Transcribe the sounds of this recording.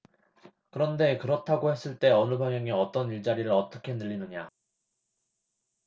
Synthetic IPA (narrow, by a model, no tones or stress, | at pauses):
kɯɾʌnde̞kɯɾʌtʰaɡohe̞s͈ɯɭt͈e̞ʌnɯbaŋjʌŋeʌt͈ʌniɭt͡ɕaɾiɾɯɭʌt͈ʌkʰe̞nɯʎːinɯɲa